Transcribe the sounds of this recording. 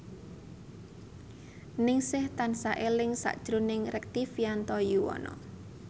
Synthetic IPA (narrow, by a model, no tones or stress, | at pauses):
nɪŋsɪht̪ansaʔelɪŋsa̰ʔd̥ʒ̥ɾunɪŋrɛk̚t̪ifiant̪ɔjuwɔ̰nɔ̰